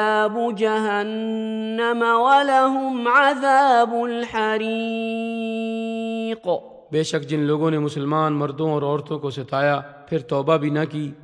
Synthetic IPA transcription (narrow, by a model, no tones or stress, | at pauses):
aːbʊd͡ʒaɦanː | amawɐlaɦʊmʕaðaːbʊlħaɾi | q | beːʃəkd͡ʒɪnloːɡõnemʊsəlmaːnmɐɾd̪õɔːɾɔːɾt̪õkosɐt̪aːjapʰɪɾt̪ɔːbabʱinɐkiː